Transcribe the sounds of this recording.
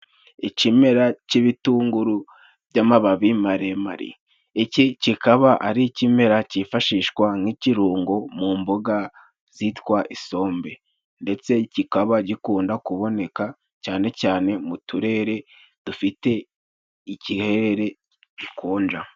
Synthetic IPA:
icime̞ɾaciβituːŋɡuɾu | bɟamaβaβimaɾe̞ma̰ɾḭ | ecicikaβaʔa̰ɾicime̞ɾacifaʃiːʃkwaŋ̥iciɾuːŋɡo̞muːmboɡa | z̥itwaʔiso̞ːmbe̞ | nde̞t͡se̞cikaβaɟikuːndakuβo̞ne̞ka | caːne̞caːne̞mutuɾe̞ːɾe̞ | d̥ufite̞ | icihe̞ɾeɾe̞ | ɟikuːnd͡ʒa

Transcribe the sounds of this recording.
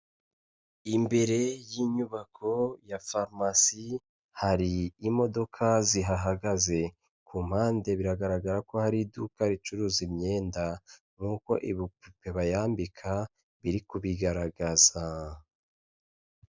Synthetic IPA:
imbe̞ɾe̞jiɲuβakʰo̞jafaɾmasi | haɾiːmo̞do̞kʰaziɦaɦaɡaze̞ | kum̥haːnde̞βiɾaɡaɾaɡaɾako̞haɾidukaɾit͡ʃuɾuːzimɲe̞ːnda | ŋ̥uko̞̰ʔiβipupe̞βajaːmbikʰa | βiɾikuβiɡaɾaɡaza

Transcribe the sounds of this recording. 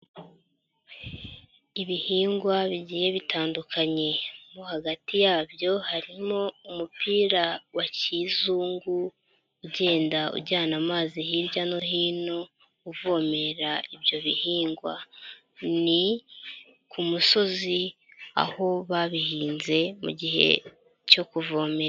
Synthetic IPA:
iβihiːŋɡwaβiɟiːje̞βitʰaːndukʰaɲe̞muhaɡatijaːbjo̞haɾimo̞umupiːɾawaciːzuːŋɡuː | ɟe̞ːndaṵɟaːnamaːzihiɾbjano̞ɦiːno̞ | uvo̞ːme̞ɾaiβjo̞βihiːŋɡwa̰ | ni | kumuso̞zi | a̰ho̞βaβihiːnze̞mṵɟihe̞̰ | co̞kuvo̞ːme̞ɾa

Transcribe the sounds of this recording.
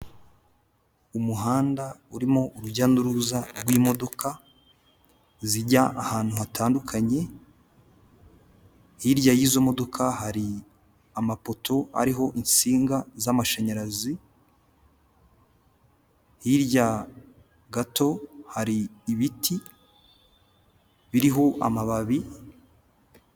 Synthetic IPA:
umuɦaːndauɾimoʔuɾuɟanduɾuzaɾɡwiːmo̞do̞kʰa | ziɟaʔahaːn̥huɦatʰaːndukʰaɲe̞ | hiɾɟajizo̞mo̞do̞kʰahaɾi | amapo̞tʰo̞a̰ɾiɦo̞ʔinsiːŋɡazamaʃaɲaɾazi | hiɾja | ɡato̞haɾiːβitʰi | βiɾiɦo̞ʔa̰maβaβi

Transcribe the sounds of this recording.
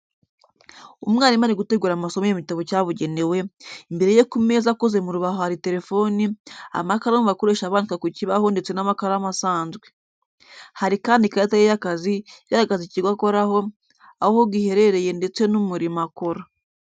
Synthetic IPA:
umŋaːnimaɾeɡute̞ɡuːɾamasomojemitaβocaβuɟe̞ne̞we̞imbe̞ɾe̞jekume̞zakoze̞muɾuβahohaɾite̞ɾe̞fo̞nia̰makaɾamuβako̞ɾeʃaβaːndikakuciβahonde̞t͡se̞namakaɾamasaːnzɡwe̞ | haɾikaːndikaatajejakaziɡaɾaɡaziciɡwako̞ɾaho̞ | ahohoɡihe̞ɾe̞ɾe̞je̞nde̞t͡se̞numuɾimako̞ɾa

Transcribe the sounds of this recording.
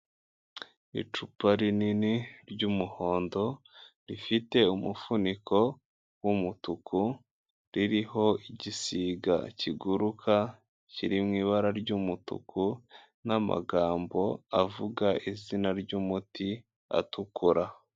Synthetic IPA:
ḭt͡ʃupaɾininiɾɟumuho̞ːndo̞ | ɾifite̞umufunikʰo̞ | wumutukʰu | ɾiɾiɦo̞iɟisiːɡa̰ciɡuɾukʰa | ciɾimŋiːβaɾaɾɟumutṵkʰu | nama̰ɡaːmbo̞avuɡaʔizinaɾɟumuti | a̰tukuɾa

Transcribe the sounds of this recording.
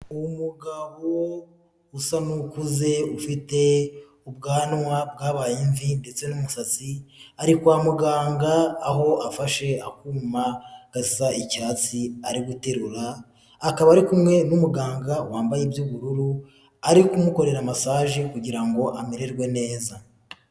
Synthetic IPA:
umuɡaβo | usanukuze̞ufite̞ | ub̚ɡaːnŋwabɡaːβajiɱvinde̞t͡se̞numusat͡siaɾikwaːmuɡaːŋɡaːɦo̞afaʃe̞akuːmaɡ̥assaʔicaːt͡siaɾiɡute̞ɾuɾaː | kaβaːɾikumŋe̞numuɡaːŋɡawaːmbajebjuβuɾuɾu | aɾikumuko̞ɾe̞ɾamasaːʒikuɟiɾaŋɡo̞ʔamiɾe̞ɾɡwe̞ne̞ːza

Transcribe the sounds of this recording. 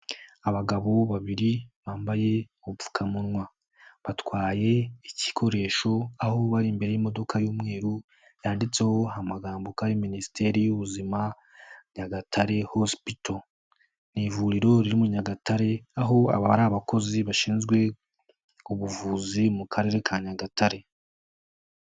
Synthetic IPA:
aβaɡaβo̞βaβiɾiβaːmbaje̞ | uufu̥kʰamunŋwa | βatwaːje̞ici̥kʰo̞ɾe̞ːʃo̞aho̞βaɾimbe̞ɾe̞jimo̞do̞kʰajuːmŋe̞ːɾu | jaːndit͡se̞ho̞ɦamaɡaːmbokaɾiminisi̥tʰe̞ɾijuβuzima | ɲaɡatʰaɾe̞hospito | nivuɾiɾo̞ɾiɾimuɲaɡatʰaɾe̞aɦo̞a̰βaɾaβako̞ziβaʃiːnzɡwe̞ | uβuvuːzimukʰaɾe̞ːɾe̞kʰaɲaɡatʰaɾe̞

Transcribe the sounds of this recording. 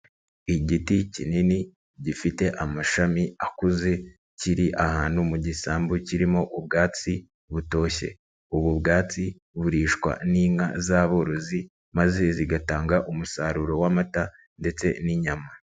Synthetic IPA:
iɟiticinini | ɟifite̞ʔamaʃamiakuze̞ | ciɾiʔahaːnhumuɟisaːmbuciɾimo̞ʔub̚ɡaːt͡si | βuto̞ːçe̞̰ | uβubɡaːt͡si | βuɾiːʃkwa̰niːŋa̰zaβo̞ɾo̞zi | maze̞ziɡataːŋɡaʔumusaɾuɾo̞wamata | nde̞t͡se̞̰niɲama

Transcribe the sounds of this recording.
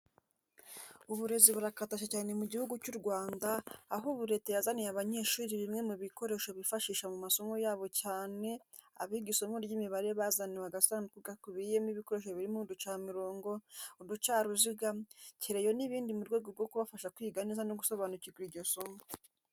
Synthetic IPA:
uβuɾe̞ziβuɾakataʃacaːne̞muɟihuɡucuɾɡwaːndaːɦuβuɾe̞tejazanijaβaɲe̞ʃuːɾiβimŋe̞muβiko̞ɾe̞ʃo̞βifaʃiːʃamumaso̞mo̞jaːβo̞caːne̞a̰βiɡiso̞mo̞ɾɟimiβaɾeβazaniwaɡasaːndukuɡakuβijemiβiko̞ɾe̞ʃ̬oβiɾimudut͡ʃaːmiɾo̞ːŋɡo̞udut͡ʃaːɾuziɡaciɾe̞jo̞niβiːndimuɾɡwe̞ːɡoɾɡo̞kuβafaʃakwiɡanizanoɡuso̞βanuciɡuɾiɾɟo̞so̞mo

